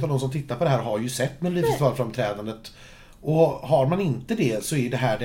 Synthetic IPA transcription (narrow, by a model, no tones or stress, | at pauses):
t̪avd̪ɔms̬ɔmt̪ʰɪt̪ːaɾpʰɔd̪ɛɦæːɾɦaɾjɵsɛt̪ːmɛliːt̪əst̪vɑːɾfɾamt̪ʰɾɛːd̪and̪ət̪ | ʔɔhaɾmanɪnt̪əd̪ɛsɔæjɖɛɦæːɖɛ